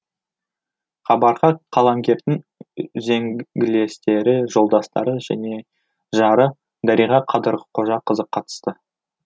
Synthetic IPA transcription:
χɑbɑɾʁɑqʰɑlˠɑŋɡʲe̞ɾd̪ɪŋ | zeŋɡʲɪle̞st̪e̞ɾɪʒo̞lˠd̪ɑst̪ɑ̰ɾəʒæ̰ne̞ | ʒɑɾə | d̪æɾijʁɑqʰɑd̪əɾʁəqʰo̞ʒɑqʰəzəqʰːɑt̪ə̥st̪ə

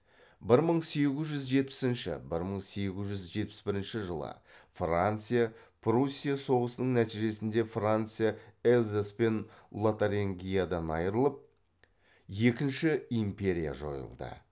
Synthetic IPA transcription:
bɪɾməɴse̞ɡʲɪzʒʏzʒe̞t̪̚pɪ̥sɪnʃɪ̰bɪɾməɴse̞ɡʲɪzʒʏzʒe̞t̪̚pɪ̥sbɪɾɪnʃɪʒəlˠə̰frant̪sɨjapʰrusʲːijaso̞ʁəsənəɴnæt̪iʒe̞sɪnd̪e̞frant̪sɨjaelʲzaspe̞nlˠot̪aɾʲeŋɡʲijad̪ɑnɑ̰jəɾəlˠəp̚ | je̞kʲɪnʃɪimpe̞ɾʲija̰ʒo̞̰jə̰lˠd̪ə̰

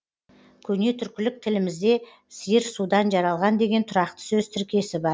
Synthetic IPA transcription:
kʲʰɵne̞t̪ʰʏɾkʲɪlɪk̚t̪ʰɪlɪmɪzd̪e̞ | sijɪɾsud̪ɑnʒɑɾɑlˠʁɑnd̪e̞ɡʲe̞nt̪ʰʊɾɑqt̪ə̥sɵzt̪ʰɪɾkʲe̞sɪbɑɾ

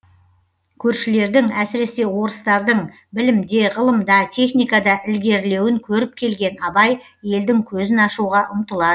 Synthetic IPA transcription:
kʲʰɵɾʃɪle̞ɾd̪ɪŋæsɪɾe̞se̞wo̞ɾəst̪ɑɾd̪əɴ | bɪlɪmd̪e̞ʁəlˠəmd̪ɑt̪ʲʰe̞χnijkɑd̪ɑʔɪlɡʲe̞ɾle̞wɪŋkʲʰɵɾɪp̚kʲʰe̞lɡʲe̞nɑbɑj | je̞ld̪ɪŋkʲʰɵzɪnɑʃuʁɑʔʊmt̪əlˠɑd̪ə

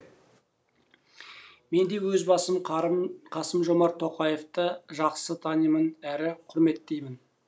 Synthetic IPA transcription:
me̞nd̪e̞wɵzbɑsəmqʰɑsəmʒo̞mɑɾt̪ʰːo̞qɑjeft̪əʒɑqsət̪ʰɑnəjmənæɾɪqʰʊɾme̞t̪ːe̞jmɪn

